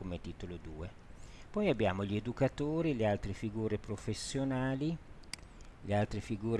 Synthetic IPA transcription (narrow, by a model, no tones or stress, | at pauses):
omet̪iːt̪olod̪uːe | pɔjabjaːmoʎed̪ukat̪oːɾilealt̪ɾefiɡuːɾepɾofesːjonaːli | lealt̪ɾefiɡuːɾ